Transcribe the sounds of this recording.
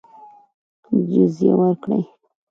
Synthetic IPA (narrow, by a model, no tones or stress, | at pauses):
d͡ʒʊzjḛwəɾkɽə̰j